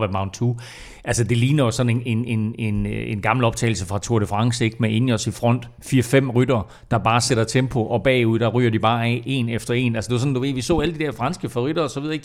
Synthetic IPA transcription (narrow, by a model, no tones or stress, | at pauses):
ʋæmɑ̈ʊnt͡sʰu | ʔælsəd̥e̝liːnɐjo̝sɒ̽ne̝ne̝ne̝nene̝nɡ̥ɑ̈ml̩ɒ̽b̥t͡sʰɛ̰ːɪl̩səfʁɑ̈t͡sʰoɐɾ̥əfʁɑ̈ŋseɡ̥mee̝nɒ̽sifʁɒ̽n̰d̥ | fiːɐfem̰ʁyd̥ɐː | d̥ɑ̈b̥ɑ̈ːseɾ̥ɐt͡sʰempʰo̝ʔɒ̽b̥ɛ̰ːuð̰ˠd̥ɑ̈ʁy̰ːɐd̥ib̥ɑ̈ːe̝̰ːnefd̥ɐe̝̰ːnælsəd̥e̝ʋɑs̬ɒ̽nduʋe̝ð̰ˠʋisɔ̰ːæləd̥id̥æɐfʁɑ̈nsɡ̥əfɒʁyɾ̥ɐɒsɒʋið̞ˠɐeɡ̥